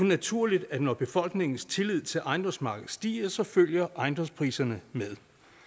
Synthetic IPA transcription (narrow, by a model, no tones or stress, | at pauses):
næt͡sʰuɐ̰lid̥æ̥nɒb̥e̝fɒ̽l̰ɡ̥ne̝ŋn̩st͡sʰe̝lið̞̰ˠt͡sʰe̝lʔɑ̈ɪnd̥ɒ̽msmɑ̈ːɡ̥ð̩ˠsd̥ḭːɐsɒ̽føl̰jɐʔɑ̈ɪnd̥ɒ̽mspʰʁḭːsɐnəmeð̞ˠ